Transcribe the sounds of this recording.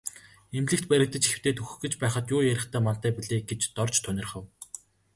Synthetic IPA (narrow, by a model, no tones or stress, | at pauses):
emt̪ɮɘ̆kt̪pæɾʲɪ̆k̚t̪ɘ̆t͡ɕixɘ̆w̥t̪ʰeːt̪ʰɵxɵ̆xɡɘ̆t͡ɕpæːχə̆t̪jʊːjæɾʲɪ̆χt̪ʰæːmant̪æːpiɮeːɡet͡ɕt̪ɔrt͡ɕt̪ʰːɵnɪ̆rχə̆w